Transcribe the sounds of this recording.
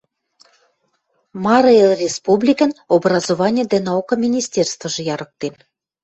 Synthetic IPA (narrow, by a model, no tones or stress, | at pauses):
mɑɾɤelrʲespublʲikə̆nobrɑzovɑnʲəd̪ænɑukɤ̆mʲinʲisʲtʲerst̪və̆ʒɤ̆jɑɾɤ̆k̚t̪en